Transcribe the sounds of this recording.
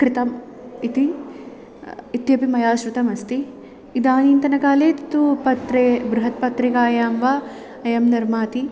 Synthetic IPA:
kɾɪt̪ɐm | it̪i | it̪jɐpimɐjaːʃɾut̪ɐmɐst̪i | id̪aːniːnt̪ɐnɐkaːleːt̪it̪upɐt̪ɾebɾuɦɐt̪̚pɐt̪ɾikaːjaːmʋa | ɐjɐmnɐɾmaːt̪i

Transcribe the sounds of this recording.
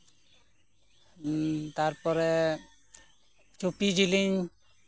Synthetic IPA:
t̪aɾpɔɾɛ | t͡ʃupid͡ʒiliɲ

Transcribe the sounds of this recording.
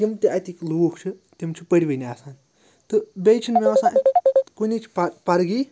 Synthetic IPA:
jimt̪iʔɐt̪ʲikluːkʰt͡ʃʰi | t̪imt͡ʃʰipəɽʲiʋɐjnʲiaːsaːn | t̪ɨbʲejt͡ʃʰinmeʋɐsãːkunʲit͡ʃʰi̥pɐpɐɾɡiː

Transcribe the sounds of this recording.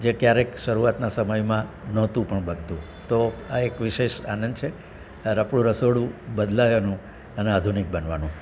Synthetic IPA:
d͡ʒekjaɾekʃəɾuʋat̪nasəməjmã | nɔt̪ũpəɳbənt̪ũ | t̪oaekʋiʃeʃanənt͡ʃʰe | aɾapɽ̃ũɾəsoɽũbəd̪lajanũ | ənead̪ʱunik̚bənʋanũ

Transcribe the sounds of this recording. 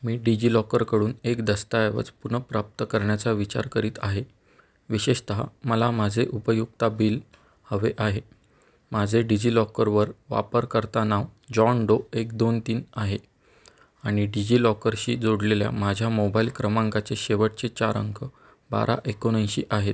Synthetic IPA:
miːɖid͡ʑiːlɔkəɾkəɽuːnekd̪əst̪aeʋə̰t͡spunəpɾap̚t̪əkəɾɳjat͡saʋit͡ɕa̰ɾkəɾiːt̪aɦe | ʋiɕeɕt̪əɦa̰məlamad͡zʱeʔupəjuk̚t̪abiːl | həʋeʔaɦe | mad͡zʱeɖid͡ʑiːlɔkəɾʋəɾʋa̰pəɾkəɾt̪anaʋd͡ʑɔɳɖoekd̪ont̪iːnaɦe | aɽ̃iɖid͡ʑiːlɔkəɾɕiːd͡zoɽlelja̰mad͡ʑʱjamobailkɾəmãŋkat͡seɕeʋəʈ̚t͡set͡ɕaɾə̰ŋkʰə | ba̰ɾʔa̰ʔekoɽə̃jɕḭːʔaɦet̪

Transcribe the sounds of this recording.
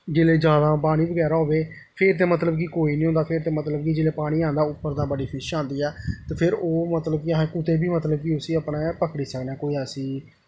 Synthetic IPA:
d͡ʒeːleːd͡ʒjaːd̪aːpaːɽ̃iːbəɡɛːɾaːɦoːʋeː | pʰɪɾt̪eːmət̪̬ləbkikoːiːnĩːɦõːnd̪aːpʰɪɾt̪eːmət̪ləbkid͡ʒeːleːpaːɽ̃iːãːnd̪aːʊpːəɾd̪ãːbəɖiːpʰɪʃãːnd̪iːɛːt̪eːpʰɪɾoːmət̪ləb̚kiɦãːkʊt̪eːbiːmət̪ləbkiʊsiːəpɽẽːpəkɽiːsəknɛːkoːiːɛːsiː

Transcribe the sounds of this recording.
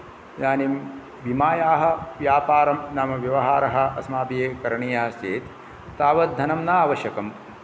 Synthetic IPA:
naːnim | bimaːjaːɦɐ̆ʋjaːpaːɾɐmnaːmɐʋjɐʋɐɦaːɾɐɦɐ̆ɐsmaːpijeːkɐɾɐɳijaːst͡ʃeːt̪ | t̪aːʋɐt̪̚d̪ʱɐnɐmnaaːʋɐʃjɐkɐm

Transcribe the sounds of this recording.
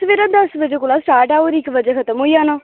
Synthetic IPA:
ʋeːɾãːd̪əsʋəd͡ʒeːkoːlaːsaːɖaːoːɾɪkʋəd͡ʒeːkʰət̪əmɦoːiaːnãː

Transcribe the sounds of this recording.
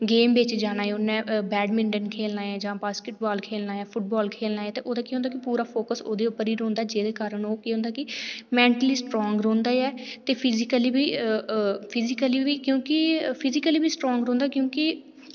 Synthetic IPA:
ɡeːmbeːt͡ʃd͡ʒaːñaːeʊnːɛ̃ːbɛːɖmɪ̃ɳɖənkʰeːlnaːjãːd͡ʒãːbaːskeʈbaːlkʰeːlnaːjãːpʰʊʈ̚bɔːlkʰeːlnaːjẽːt̪eːʔoːd̪aːkiɦõːnd̪aːkɪpuːɾaːpʰoːkəso̰ːd̪eːʊpːəɾiːɾõːnd̪aːd͡ʒeːd̪eːkaːɾənoːkiːɦʊ̃nd̪aːkɪmɛ̃ːɳʈəliːsʈɾɔːŋɡɾõːnd̪aːɛːt̪eːpʰɪzɪkəliːbiː | pʰɪzɪkəliːiːkjõːkɪpʰɪzɪkəliːbiːsʈɾɔːŋɡɾõːnd̪aːkjõːkɪ

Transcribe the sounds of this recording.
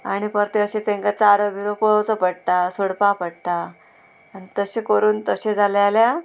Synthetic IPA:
aɽ̃ipəɾt̪eəɕẽt̪ẽŋkat͡saɾəbiɾopoɭəwt͡səpəɽt̪asoɽpapəɽt̪aː | nit̪əɕekəɾuːnt̪əɕed͡zʱaljalja

